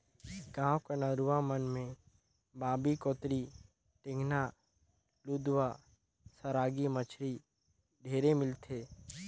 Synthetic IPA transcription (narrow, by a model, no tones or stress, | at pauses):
ɡãːwkənəɾuʋamənmẽ | baːbikɔːt̪ɾi | ʈɪ̃ŋɡna | luʊd̪wa | səɾaːɡimət͡ʃʰɾi | ɖʱeːɾemɪlt̪ʰeː